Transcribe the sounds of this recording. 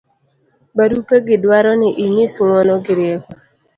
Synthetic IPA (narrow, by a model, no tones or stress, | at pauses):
baɾupeɡɪdwaɾɔnɪʔiɲisŋɔnɔɡɪɾɪjekɔ